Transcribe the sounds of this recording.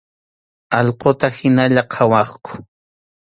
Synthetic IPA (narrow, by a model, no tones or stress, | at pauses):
ɑʎqot̪ahɪnaʎaqʰɑwɑχkʊ̥